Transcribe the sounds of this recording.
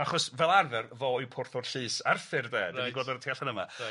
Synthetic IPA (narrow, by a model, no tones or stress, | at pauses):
aχɔsvɛlˠarðɛrvɔːipʰʊrθɔrɬɨːsarfɪrdɛːdiniɡoːdɔrətʰeːaɬanəma̰